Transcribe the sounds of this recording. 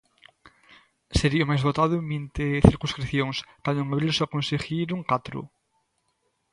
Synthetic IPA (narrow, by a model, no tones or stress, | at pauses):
seɾiomajzβot̪aðʊmbint̪eθiɾkũskɾiθjoŋskwand̪oeŋaβɾilsoakõnseɣiɾuŋkat̪ɾṵ